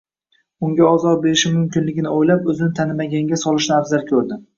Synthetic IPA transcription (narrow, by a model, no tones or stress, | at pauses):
ʊŋɡʲaɒzɒɾ̚beɾɪʃɪmʊmkʲɪnlɪɡʲɪnɪojlapɵzɪnɪt̪ʰanɪmaɡʲaŋɡʲasɒlˠɪʃnɪabzaɾkʲʰɵɾd̪ɪ